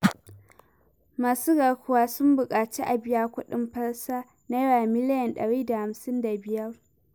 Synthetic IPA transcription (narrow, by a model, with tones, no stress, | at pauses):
maː˨suː˦ɡɐ˨kʷʊ˦waː˨˦sʊ˦mbʊ˨kʼaː˨t͡ʃi˦ʔa˨bɪ˦ja˦kʷʊ˦ɗɪ˦mɸɐ˦ɽsaː˦ | neː˦ɽaː˨mɪ˦lɪ˦jɐ˨nɗɐ̰˨ɽiː˦da˨ha˨msɪ˦nda˨bɪ˦jɐ˦r